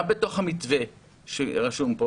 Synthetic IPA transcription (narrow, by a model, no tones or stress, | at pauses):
beto̞χhamit͡sve | ʃeʁaʃumpo